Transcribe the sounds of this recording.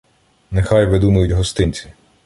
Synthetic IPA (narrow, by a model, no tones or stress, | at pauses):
nexɑjʋɪd̪umɐjʊtʲɦɔst̪ɪnʲt͡sʲi̥